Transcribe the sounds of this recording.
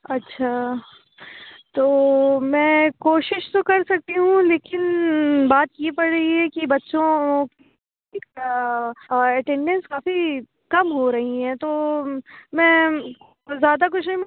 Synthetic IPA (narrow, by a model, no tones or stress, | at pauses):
ɐtːʃʰaː | t̪oːmɛ̃ːkoːʃɪʃt̪okɐɾsɐk̚t̪iɦũleːkɪnbaːt̪jepɐɽɾɐɦiɦɛkibɐtːʃõki | ɛʈɛ̃ɳɖɛ̃nskaːfi | kɐmɦoɾɐɦiɦɛ̃ːt̪oː | mɛ̃ː | zjaːd̪ak̬ʊt͡ʃʰnɐɦĩm